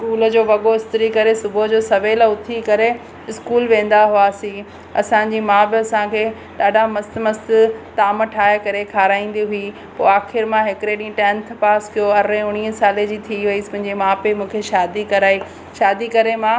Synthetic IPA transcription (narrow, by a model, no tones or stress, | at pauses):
skuːlə̆d͡ʑoːʋɐɠoɪst̪ɾikɐɾesʊbəd͡ʑoːsɐʋeːlʊt̪ʰikɐɾe | ɪskuːlʋẽːn̆d̪aɦʊaːsĩː | ɐ̰sãɲd͡ʑiːmãːbɪɐsãkʰeː | ɗaːɗamɐst̪mɐst̪ɪ̆t̪aːməʈʰaːekɐɾekʰaːɾaːĩːn̆d̪iɦʊi | poːaːxʰɪɾmãɦɪkɾeɗĩːʈɛ̃ːnt̪ʰpaːskʰijoɐɾẽʊɽ̃iːɦsaːled͡ʑiːt̪ʰiʋɐiːspɐ̃ɦɪ̃ɲd͡ʑemãːpɪmũːkʰeʃaːd̪ikɐɾaːi | ʃaːd̪ikɐɾemã